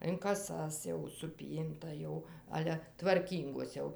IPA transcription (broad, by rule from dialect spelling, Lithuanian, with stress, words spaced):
ɪn kɐˈsɐs jɛʊ sʊˈpʲiːntɐ jɛʊ ˈɑːlʲɛ tʋɐrʲˈkʲiːŋɡoːs jɛʊ